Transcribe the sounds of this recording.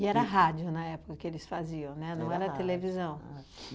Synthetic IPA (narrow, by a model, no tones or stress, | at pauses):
ɪɛɾɐɦad͡ʒʊnɐɛpʊ̥kɐkɪelɪsfaziɐ̃w̃nɛnɐ̃w̃ɛɾɐt̪elevizɐ̃w̃